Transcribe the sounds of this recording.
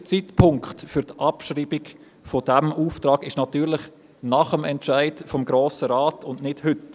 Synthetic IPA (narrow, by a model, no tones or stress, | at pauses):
t͡sitpʰʊŋkχtfyɾtʔɑpʃriːbik | fɔd̥ɛmuːftɾɑːɡɪʃnɑtyːɾlɪχ | nɑχəmɛntʃaɪdfɔmɡɾoːsəɾɑːtʊndnɪd̥hʏt